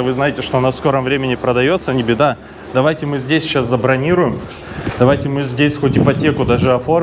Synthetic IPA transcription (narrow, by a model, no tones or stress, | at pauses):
vɨznajɪtʲɪʂt̪o̞nassko̞ɾəmvɾʲemʲɪnʲɪpɾəd̪ɐjo̞t̪sənʲɪbʲɪd̪a | d̪ɐvajtʲɪmɨzʲdʲesʲɕaszəbɾɐnʲiɾʊjɪm | d̪̥ɐvajtʲɪmɨzʲdʲesʲxotʲɪpɐtʲe̞kʊd̪aʐɨɐfo̞